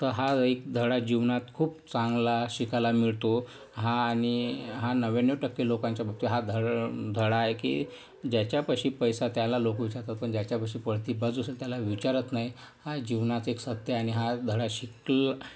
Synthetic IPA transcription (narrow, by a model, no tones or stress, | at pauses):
t̪əɾɦaek̚d̪ʱəɽad͡ʑiʋnat̪kʰuːp̚t͡sãŋɡlaɕikalamiɭt̪o | ɦaːɽ̃iɦanəʋenəʈəkːelokãɲt͡ɕjabap̚t̪iɦad̪ʱəɽd̪ʱəɽaːɦekḭ | d͡ʑjat͡ɕjapəɕiːpəjsat̪jalalokʋit͡ɕaɾt̪at̪̚pəɳd͡ʑjat͡ɕjapəɕiːpəɽt̪iːbəd͡zusəlt̪jalaʋit͡ɕaɾət̪naɦi | had͡ʑiʋnat͡s̪eksət̪jəaɽ̃iɦad̪ʱəɽaɕikl